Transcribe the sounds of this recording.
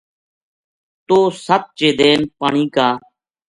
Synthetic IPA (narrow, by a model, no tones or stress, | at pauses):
t̪oːsət̪̚t͡ʃeːd̪eːnpaːɳiːkaː